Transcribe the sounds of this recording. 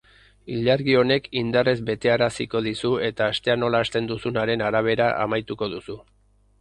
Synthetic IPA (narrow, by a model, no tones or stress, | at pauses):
iʎaɾɣio̞ne̞kind̪are̞zbe̞t̪e̞aɾasiko̞ðisue̞t̪aːst̪e̞ano̞laːst̪e̞nd̪usunaɾe̞naɾaβ̞e̞ɾaʔa̰majt̪uko̞ðusu